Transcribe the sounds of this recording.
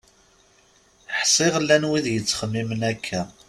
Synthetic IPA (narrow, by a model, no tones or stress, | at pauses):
ħsˤɪʁlːænwiðjət͡sːχəmːimənækʰːæ